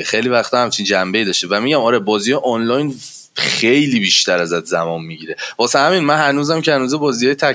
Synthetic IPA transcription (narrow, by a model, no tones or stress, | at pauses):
xejlivæxt̪ʰɒhæmt͡ʃʰind͡ʒæmbe̞id̪ɒːʃt̪evæmiɟæmɒːɾebɒːzijʔɒnlɒjn | xejliːbiʃt̪æɾæzæt̪ʰzæmɒːnmiɟiːɾevɒːsænhæmiːnmænhænuːzæmcʰehænuːzebɒːzijɒjet̪ʰæ